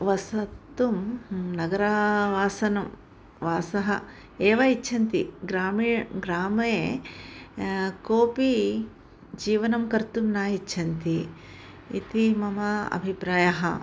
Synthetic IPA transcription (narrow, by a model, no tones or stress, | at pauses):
ʋɐsɐt̪ːumnɐɡɐɾɐʋaːsɐnɐm | ʋaːsɐɦɐ̰ | eːʋɐit͡ʃːʃʰɐnt̪iɡɾaːmiɡɾaːmɐje | koːpi | d͡ʒiːʋɐnɐmkɐɾt̪umnaːjit͡ʃːʃʰɐnt̪i | ḭt̪imɐmɐɐ̰bʱipɾaːjɐɦɐ̰